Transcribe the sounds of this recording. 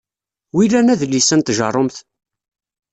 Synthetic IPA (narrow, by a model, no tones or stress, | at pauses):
wilːænæðlːisənt̪ʒɑ̰rˤomθ